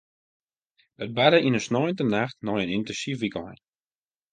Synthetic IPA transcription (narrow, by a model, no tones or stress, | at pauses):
ət̚badəinəsnɔjəntənaxtnɔjənɪntɛnsifʋikəlˠhɛ̰t